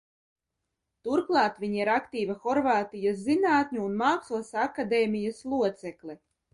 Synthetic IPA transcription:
t̪uɾklˠɑːt̪vʲiɲiɾakt̪iːvaxɔɾvaːt̪ijas̬zinaːt̪ɲʲuːnmaːksuɔsakad̪eːmʲijaslˠuɔt̪sɛklˠi

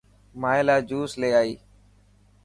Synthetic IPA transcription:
maːɪlaːd͡ʒuːsleːaːiː

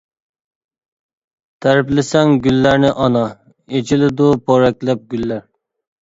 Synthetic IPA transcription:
t̪ʰæɾɪplɪsɛŋɡʲylːæɾnɪʔɑnɑ | et͡ʃʰilɪd̪ʊpʰoɾɛkʲlɛp̚ɡʲylːæɾ

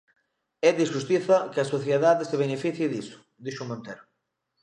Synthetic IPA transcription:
ɛðiʃust̪iθɐkɪɐsoθjeðaðeseβenefiθjeðisʊ̥ | d̪iʃumõnt̪ɛɾʊ

